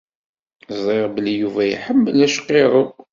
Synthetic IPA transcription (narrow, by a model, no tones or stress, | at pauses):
zˤeʁbəlijuvæj̰ħəmːəlæʃqːeɾˤə